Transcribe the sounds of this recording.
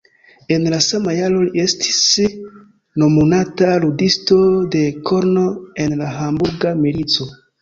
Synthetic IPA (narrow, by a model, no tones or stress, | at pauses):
e̞nlasamajalo̞lie̞stʰi̥s | no̞munataludisto̞de̞kʰo̞ɾno̞e̞nlaɦambuɾɡamilit͡so̞